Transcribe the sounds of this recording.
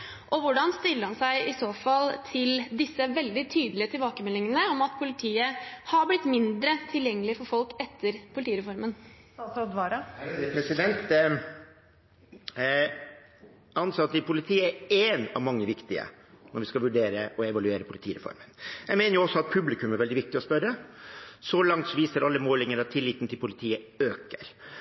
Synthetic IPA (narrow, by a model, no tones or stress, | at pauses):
ʔɔʋʊɖɑnst̪ʏɾːəɾhɑnsæɪɪsoːfɑlt̪ʰɪld̪ɪsːəʋɛld̪ɪt̪ʰyːd̪əlɪət̪ʰɪlbɑːkəmɛlːɪŋənəɔmɑt̪pʰʊlɪt̪ʰiːəhɑɾblɪt̪ːmɪnd̪ɾət̪ʰɪljɛŋːəlɪəfɔɾfɔlkɛt̪ʰːəɾpʰʊlɪt̪iːəɾɛfɔɾmən | sɔd̪ʋɑːɾɑpʰɾɛsɪd̪ɛnt̪ | ɑnsɑt̪ːɪpʰʊlɪt̪ʰiːəɛeːnɑ̰ʋmɑŋːəʋɪkt̪ɪə̰ | nɔʋɪskɑʋʉɖeːɾəʔɔɛʋɑlʉeːɾəpʰʊlɪt̪iːɾɛ̰fɔ̰ɾmənjæmɛɪnəɾjʊɔsːɔɑt̪̚pʰʉblɪkʉmæɾʋɛld̪ɪʋɪk̚t̪ɪɔspœɾəsɔlɑŋt̪sɔʋiːsəɾɑlːəmoːlɪŋəɾɑt̪ʰːɪlːɪt̪n̩t̪ʰɪlpʊlɪt̪ʰiːə | øːkəɾ